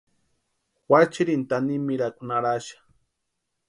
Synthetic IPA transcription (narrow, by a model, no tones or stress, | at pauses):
wat͡ʃiɾint̪animiɾakʼunaɾaʃḁ